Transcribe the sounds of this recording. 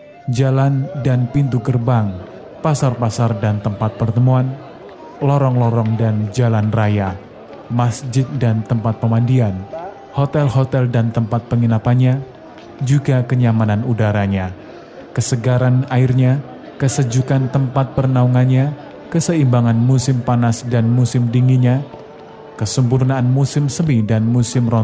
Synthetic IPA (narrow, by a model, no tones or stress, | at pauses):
d͡ʒalandanpint̪ukərbaŋ | pasarpasardant̪əmpat̪̚pərt̪əmuan | lɔɾɔŋlɔɾɔŋdand͡ʒalanraja | masd͡ʒɪt̪̚dant̪əmpat̪̚pəmandian | hot̪ɛlhot̪ɛldant̪əmpat̪̚pəŋinapanɲa | d͡ʒuɡakəɲamananudaɾaɲa | kəsəɡaɾanaɪrɲa | kəsəd͡ʒukant̪əmpat̪̚pərnauŋanɲa | kəsəimbaŋanmusɪmpanasdanmusɪmdiŋiɲa | kəsəmp̬urnaːnmusɪmsəmidanmusɪmrɔ